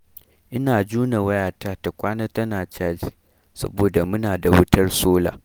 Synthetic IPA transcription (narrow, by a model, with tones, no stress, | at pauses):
ʔɪ˦naː˨d͡ʒuː˦na˨wɐ˦jaː˨ta˦ta˨kʷaː˦na˦tɐ˦naː˨t͡ʃaː˦d͡ʒi˨ | sɐ̰˦boː˨da˨mʊ˦naː˨da˨wʊ˦tɐ˦rsoː˦la̰ː˨